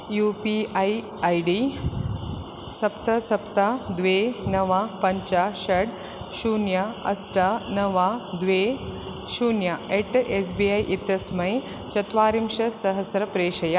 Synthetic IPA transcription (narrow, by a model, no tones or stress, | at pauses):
juːpiaj | ajɖiː | sɐpt̪ɐsɐpt̪ad̪ʋenɐʋapɐɲt͡ʃaʃɐɽ | ʃuːnjaɐ̰sʈanɐʋad̪ʋe | ʃuːnjaeʈes̬biːajʔit̪ɐsmɐj | t͡ʃɐt̪ʋaːɾimʂɐsɐɦɐsɾɐpɾeːʂɐja